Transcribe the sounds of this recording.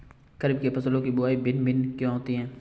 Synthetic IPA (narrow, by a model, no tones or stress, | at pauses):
kəɾɪb̚kepɐslõkibʊaːibɪnbɪnkjõɦoːt̪iɦɛ̃ː